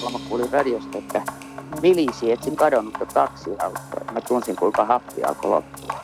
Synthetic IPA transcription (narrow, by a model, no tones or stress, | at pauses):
lmɑkkuːlirɑdiost̪ɑet̪ːæ | milisiet̪siŋkɑdonːut̪jot̪ɑksiɑut̪ːo̰mæt̪unsiŋkuiŋkɑhɑpːḭɑ̰ko̰lo̰pːuɑ